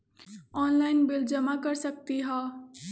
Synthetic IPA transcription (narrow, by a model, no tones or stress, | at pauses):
ɔnlajnbild͡zʌmaɡʌɾsʌkt̪iɦʌ